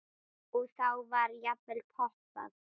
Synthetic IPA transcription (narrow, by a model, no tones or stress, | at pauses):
ɔɣθawvaɾjapɛlpʰɔhpa̰ð